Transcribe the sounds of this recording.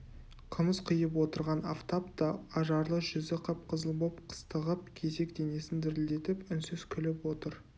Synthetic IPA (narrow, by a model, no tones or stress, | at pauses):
qʰəməsqʰəjəp̬wo̞t̪əɾʁɑnaft̪apt̪ɑɑʒɑɾlˠəʒ̥ʏzɪqʰɑp̚qʰəzəlˠbopqʰə̥st̪əʁəp̚kʲʰe̞ze̞kd̪e̞ne̞sɪnd̪ɪɾld̪e̞t̪ɪpʏnsʏz̥kʲʰʏlɪpwo̞t̪əɾ